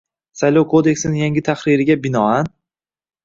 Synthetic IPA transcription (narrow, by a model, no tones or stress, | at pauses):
sajlˠɒwkʰod̪e̞kʲsɪnɪjaŋɡʲɪt̪ʰaχɾɪɾɪɡʲabɪnɒan